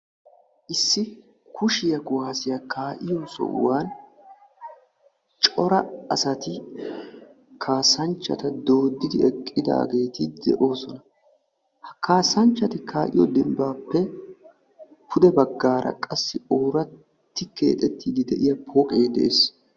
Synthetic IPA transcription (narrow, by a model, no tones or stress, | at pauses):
ʔɪsːɪ | kʰʊʃɪjɐɡʊaːsɪjɐkʰaːʔɪjɔsɔ̰ʔwaːn | t͡ʃʼɔɾɐɐsɐt̪ɪ | kʰaːsɐnt͡ʃːɐ̰t̪ɐd̪o̞ːd̪ːɪd̪ɪɛkʼːɪd̪a̰ːɡe̞ːt̪ɪd̪ɛ̰ʔo̞ːsɔnɐ | hkaːsɐnt͡ʃːɐt̪ɪkʰaːʔɪjɔd̪ɪmbaːpːɛ | pʰʊd̪ɛbɐɡːaːɾɐ̰kʼɐsːɪoːɾɐ | t̪ːɪke̞̰ːt̪ʼɛt̪ːiːd̪ɪd̪ɛʔɪjɐpʰoːkʼeːd̪ɛ̰ʔeːs